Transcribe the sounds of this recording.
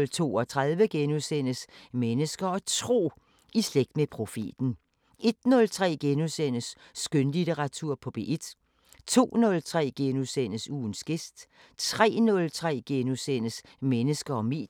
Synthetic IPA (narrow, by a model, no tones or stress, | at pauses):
lt͡sʰo̝̰ːɒ̽t͡sʰʁaðˠʋəɡ̥enuðˠsen̰əsmenəsɡ̥ɐɒ̽t͡sʰʁo̝̰ː | isleɡ̥̚d̥mepʰʁo̝fe̝̰ːd̥n̩ | e̝d̥nɔ̽lt͡sʰʁɛ̰ːɡ̥enuðˠsen̰əsː | ɡ̥ønlit͡seʁɑ̈t͡sʰuɐ̰pʰɒ̽b̥e̝̰ːʔe̝d̥ | t͡sʰo̝̰ːnɔ̽lt͡sʰʁɛ̰ːɡ̥enuðˠsen̰əsuːnsɡ̥e̝sd̥ | t͡sʰʁɛ̰ːnɔ̽lt͡sʰʁɛ̰ːɡ̥enusen̰əs | menəsɡ̥ɐɒ̽me̝̰̥ː